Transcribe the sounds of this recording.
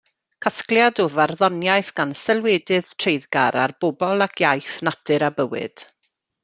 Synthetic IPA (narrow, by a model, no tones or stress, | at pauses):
kʰaskljadɔvarðɔnjajθɡ̥ansɛlˠweːdɨð̥tʰrejðɡaɾa̰rboːbɔlˠakʰjajθnadɨɾabəwɪ̰d̥